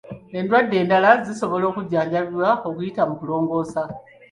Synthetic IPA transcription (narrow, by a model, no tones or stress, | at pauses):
e̞ndwadːe̞ːndalaziso̞βo̞lo̞ːkuɟaːɲɟaβwao̞kujitamukulo̞ːŋɡo̞ːsa